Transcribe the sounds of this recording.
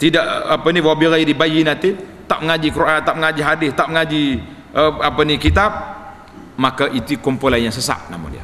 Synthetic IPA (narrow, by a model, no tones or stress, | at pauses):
t̪idaʔapəniwabiɾaidibajinat̪it̪aʔ̚məŋad͡ʒikəɾuʔant̪aʔməŋad͡ʒiɦadɪst̪aʔ̚məŋad͡ʒi | əapənikit̪ap̚ | makaʔit̪ukɔmpolanjaŋsəsa̰p̚na̰mo̰lia̰